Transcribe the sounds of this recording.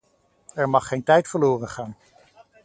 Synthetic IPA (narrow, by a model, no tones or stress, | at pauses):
ɛɹmɑχːejntɛjtfəɹloːrənχaːn